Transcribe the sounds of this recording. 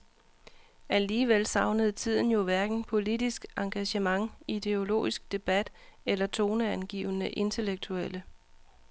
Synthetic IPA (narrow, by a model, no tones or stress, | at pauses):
æliːʋelsɑ̈ʊnəð̞̩ˠt͡sʰið̞̰ˠn̩jo̝ʋæɐɡ̥n̩pʰo̝lid̥isɡ̥ɑ̈ŋɡ̥æɕəmɑ̈ŋid̥e̝o̝lo̝̰ːisɡ̥̚d̥e̝b̥æd̥elɐt͡sʰo̝ːnəænɡ̥ḭːʊənəʔe̝nt͡sʰe̝leɡ̥̚t͡sʰuelə